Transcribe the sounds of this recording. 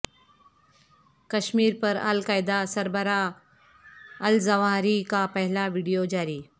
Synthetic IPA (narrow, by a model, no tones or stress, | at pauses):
kəɕmiːɾpəɾə̰lkajd̪asəɾbəɾa | əld͡zəʋaɾikapəɦilaʋiːɽijod͡ʑaɾiː